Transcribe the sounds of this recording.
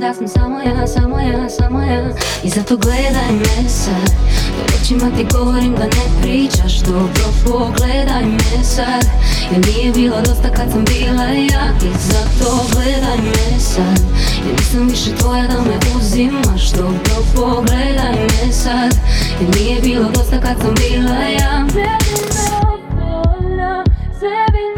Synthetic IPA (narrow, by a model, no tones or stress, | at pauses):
d̪asamsamojad̪asamojad̪ansamoja | izat̪oɡled̪ajmjesad̪a̰ḛt͡ʃimat̪iɡoʋoɾimd̪anepɾiːt͡ʃaʃt̪opɾopoɡled̪ajmesad̪jilnijebilˠad̪ost̪akad̪sambiːlˠa | jaizat̪o | ɡlɛd̪ajmɛsad̪janisamviʃɛt̪ojad̪amɛʔuzimaʃt̪opɾopoɡlɛd̪ajmɛsad̪jɛlnijɛbilˠod̪o̞st̪akad̪sambiːlˠaja